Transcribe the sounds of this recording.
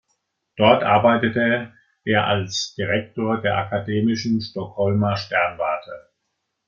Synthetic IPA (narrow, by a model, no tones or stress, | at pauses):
d̥ɔɐtʔa̰ɐbaɪtətə | ʔeːɐʔalsd̥iʁɛk̚toːɐdeːɐʔakʰadeːmɪʃn̩ʃtɔkhɔlmɐʃtɛɐnvaɐtʰə